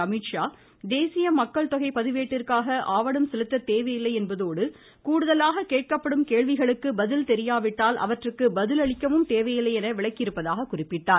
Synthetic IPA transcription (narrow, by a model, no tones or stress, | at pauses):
ɐmɪʈʂaː | d̪eːsɪjɐmɐkːɐɭt̪ɔɣɐɪpːɐðɪʋeːʈːɪrkaːɣɐʔaːʋɐɽɯmsɛlɯt̪ːɐt̪eːʋɐjɪlːɐɪɛnbɐðoːɽɯ | kuːɽɯðɐlaːɣɐkeːʈ̚kɐpːɐɽɯmkeːʋɪɣɐɭɯkːɯbɐðɪlt̪ɛɾɪjaːʋɪʈːaːlʔɐ̰ʋɐʈrɯkːɯbɐðɪlɐɭɪkːɐʋɯmt̪eːʋɐjɪlɐjɛnɐʋɪɭɐkːɪɾɯpːɐðaːɣɐkʊrɪpːɪʈːaːɾ